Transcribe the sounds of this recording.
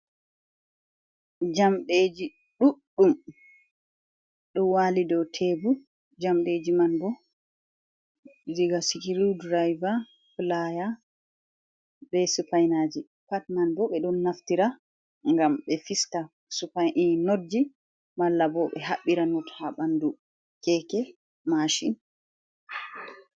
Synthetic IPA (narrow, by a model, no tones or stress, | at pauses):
d͡ʒamɗed͡ʒi | ɗuɗːum | ɗɔnwalidɔtʰebu | d͡ʒamɗed͡ʒimanbɔ | ziɡasikiɾudɾajva | plaja | bɛsupajnad͡ʒi | patmanbɔɓɛɗɔnːaftiɾa | ŋɡamɓɛfiska | supainodːi | malːabɔɓɛɦaɓːiɾanɔthaɓandu | kɛːkɛ | maʃin